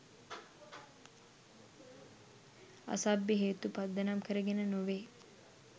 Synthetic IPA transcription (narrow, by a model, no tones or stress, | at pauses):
a̰sabjəɦeːt̪upad̪ːənamkəɾəɡenənoʋeː